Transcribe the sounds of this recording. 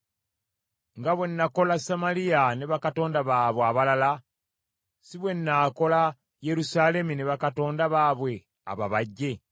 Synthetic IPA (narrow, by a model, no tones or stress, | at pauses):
ŋɡaβwe̞nːako̞lasamalijaneβakato̞ːndaβaːβoaβalala | siβwe̞nːaːko̞la | je̞ɾusaːle̞muneβakato̞ːndaβaːβwe̞ | a̰βa̰βaɟːe̞